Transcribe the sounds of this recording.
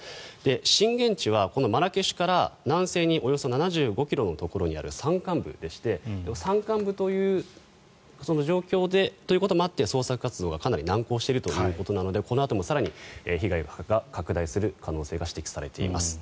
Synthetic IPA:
d̪̥e̞ɕĩŋɡẽ̞ɲ̟t͡ɕiβ̞ako̞no̞maɾakeɕi̥kaɾanãɰ̃se̞ːɲ̟iʔo̞jo̞so̞nanaʑɨːɡo̞kʲiɾo̞no̞t̪o̞ko̞ɾo̞ɲ̟ia̰ɾɯ̟sãŋkãmbɯ̟̰d̪e̞ɕi̥t̪e̞d̪emosãŋkãmbɯ̟t̪o̞jɯ̟ː | so̞no̞ʑo̞ːkʲo̞ːd̪e̞t̪o̞ji̟ko̞t̪o̞moat̪ːe̞so̞ːsakɯ̟kat͡sɨd̪o̞ːɡakanaɾʲinãŋko̞ːɕit̪eɾɯ̟t̪o̞jɯ̟ːko̞t̪o̞nano̞d̪e̞ko̞no̞at̪o̞mo̞saɾaɲ̟ieçiɡaiɡaɡakakɯ̟d̪aisɨɾɯ̟kano̞ːse̞ːɡaɕi̥t̪e̞kʲi̥saɾe̞̰t̪e̞̰ḭma̰sɨ̥

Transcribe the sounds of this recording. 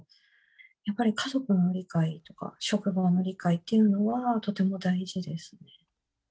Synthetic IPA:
japːaɾʲikazo̞kɯ̟no̞ɾʲikait̪o̞ka̰ɕo̞kɯ̟bano̞ɾʲikait̪ːe̞jɯ̟no̞βat̪o̞t̪e̞mo̞d̪aiʑid̪e̞sɨ̥ne̞

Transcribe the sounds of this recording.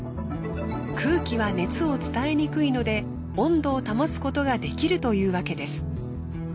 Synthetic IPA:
kʰɯ̟ːkʲiβane̞t͡sɨo̞t͡sɨ̥t̪ae̞ɲ̟ikɯ̟ino̞d̪e̞ | õ̞nd̪o̞ːt̪amosɨ̥ko̞t̪o̞ɡad̪e̞kʲiɾɯ̟t̪o̞jɯ̟ːβake̞d̪e̞sɨ̥

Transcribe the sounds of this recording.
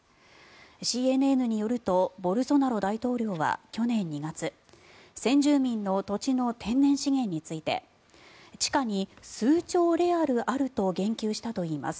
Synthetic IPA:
ɕiːe̞nɯe̞nɯ̟ɲ̟ijo̞ɾɯ̟t̪o̞bo̞ɾɯ̟so̞naɾo̞d̪ait̪o̞ːɾʲo̞ːβa̰kʲo̞nẽ̞ɲ̟ːiɡat͡sɨ | sẽ̞ɲ̟d͡ʑɨːmʲĩnːo̞t̪o̞t͡ɕino̞t̪ʰẽ̞nːẽ̞ɰ̃ɕiŋẽ̞ɲ̟ːit͡sɨit̪e̞̰ | t͡ɕi̥kaɲ̟isɨːt͡ɕo̞ːɾe̞aɾɯ̟ʔaɾɯ̟t̪o̞ɡẽ̞ŋkʲɨːɕi̥t̪at̪o̞iːma̰sɨ̥

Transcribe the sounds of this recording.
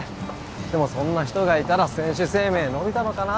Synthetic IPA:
d̪̥e̞mo̞sõ̞nːaçi̥t̪o̞ɡait̪aɾasẽ̞ɰ̃ɕɨse̞ːmẽ̞ːno̞bʲit̪ano̞kana

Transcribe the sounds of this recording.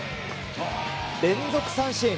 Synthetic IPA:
nensʰok̚s͈ʰanɕʰi

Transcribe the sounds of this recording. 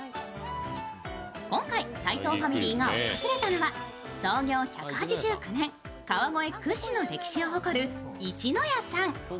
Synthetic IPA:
kõ̞ŋkaisait̪o̞ːɸamʲiɾʲiːŋao̰kosɨɾe̞t̪ano̞βa | so̞ːɡʲo̞ːçakɯ̟̥hat͡ɕiʑɨːkɯ̟nẽ̞ŋ | kaβamo̞e̞kɯ̟ɕino̞ɾe̞kʲi̥ɕio̞ɦoko̞ɾɯ̟ | it͡ɕino̞jasãŋ

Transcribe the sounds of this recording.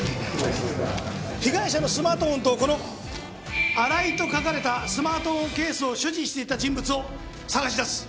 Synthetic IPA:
çiɡaiɕano̞sɨmaːt̪oɸont̪oko̞no̞ | aɾait̪o̞kakaɾe̞t̪asɨmaːt̪o̞ɸõ̞ŋke̞ːsɨo̞ɕɨʑiɕi̥t̪e̞it̪ad͡ʑĩmbɯ̟t͡sɨo̞ | saɡaɕ̬id̪asɨ̥

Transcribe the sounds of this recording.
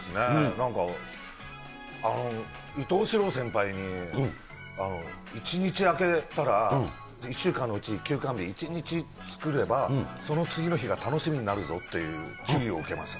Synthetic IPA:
sɨne̞nãŋka | ano̞ | it̪o̞ːɕiɾo̞ːsẽ̞mpaiɲ̟i | ano̞ | it͡ɕiɲ̟it͡ɕiake̞t̪aɾa | iɕːɨːkãnːo̞ɯ̟t͡ɕiɲkʲɨːkãmbʲiːt͡ɕiɲ̟it͡ɕi | t͡sɨ̥kɯ̟ɾe̞baso̞no̞t͡sɨɡʲino̞çiɡat̪ano̞ɕimʲiɲ̟inaɾɯ̟zo̞t̪ːe̞jɯ̟ːt͡ɕiio̞ɯ̟ke̞ma̰sɨ̥

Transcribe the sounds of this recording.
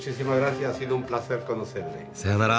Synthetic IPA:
t͡ʃisimaɣɾaθjaasiðoumplaθeɾkonoθeɾleseanaɾa

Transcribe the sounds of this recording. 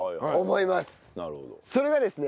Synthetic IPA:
omo̞imasɨ̥naɾɯhod̪oso̞ɾe̞ɡad̪e̞sɨne̞

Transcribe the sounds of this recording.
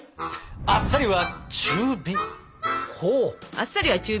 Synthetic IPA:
asːaɾʲiβat͡ɕɨːbi | hoasːaɾʲiβat͡ɕɨː

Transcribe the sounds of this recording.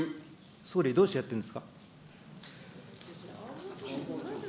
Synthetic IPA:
soːɾʲid̪oːɕt̪ejat̪ːeɯ̃nd̪esɨ̥ka

